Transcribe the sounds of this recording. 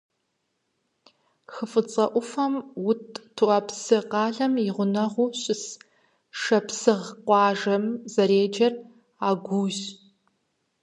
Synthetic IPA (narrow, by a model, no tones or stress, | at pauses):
xəfɨt͡sʼɐʔʷʊfɐmwʊtʰʼtʰːuɐpsɨqɑːɮɐmɪʁʷʊnɐʁʷuːɕʼɪs | ʂɐpsɨʁqʷɑːʒɐmzɐɾeːd͡ʒɐr | aːɡʷuːɕ